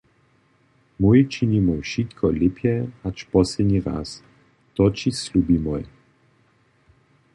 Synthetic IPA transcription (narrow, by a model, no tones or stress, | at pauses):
mujt͡ʃinimuʃit̪kʰɔlɪpjɛat͡ʃpɔsɛd̪ɲiʁa̰s | t̪ɔt͡ʃislʲuːbimɔj